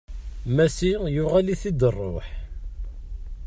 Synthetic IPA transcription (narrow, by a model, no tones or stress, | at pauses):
mæsijʊʁæliθid̪ərˤːo̰ħ